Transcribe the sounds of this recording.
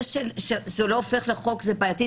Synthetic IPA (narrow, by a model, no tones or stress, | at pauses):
ʃelʃezeloːfe̞χleχo̞kzebajati